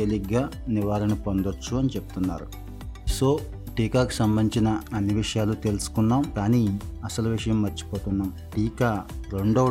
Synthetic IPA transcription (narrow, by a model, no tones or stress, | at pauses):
eliɡaːniʋaːlɐnipond̪ot͡ʃːuɐnit͡ʃe̞pu̥t̪unːa̰ːɾu | so̞ː | ʈiːkaːku̥sɐmbɐnt͡ʃinɐɐnːiʋiʂɐjaːlut̪e̞lusu̥kunːaːmkaːniːɐsɐluʋiʂɐjɐmːɐt͡ʃːi̥poːt̪unːaːm | ʈiːkaːɾe̞ɳɖoː